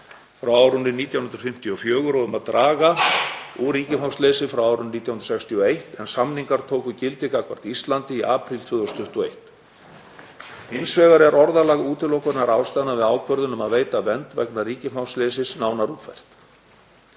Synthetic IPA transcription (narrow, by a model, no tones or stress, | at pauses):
fɾawaːwɾʏnːɪniːt̪jawh̪ʏnt̪ɾ̥fɪm̥t̪iɔfjœːɣʏɾɔðʏmaðt̪ɾʔaːɣauɾiːcɪmawslɛːsɪfɾawaːwɾʏnniːt̪jawhnɾ̥sɛkst̪ʰiɔejht̪ɛnsamniŋkaɾ̥t̪ʰoːwkʏcɪlt̪ɪkakʰvaɾ̥t̪ist̪lant̪ɪiʔaːpɾilt̪ʰvʏːðɔst̪ʰʏht̪ɔejht̪ | ɪnsvɛːɣaɾɛɾʔɔɾðalaɣuːt̪ɪlɔwkʏɾɪnaɾaːwst̪aðnavɪðaːwkʰvœɾðʏnʏmaðveːjt̪avɛnt̪vɛ̰knariːcɪmawsleːsɪsnaːwnaɾuːt̪ʰfɛ̰r̥t̪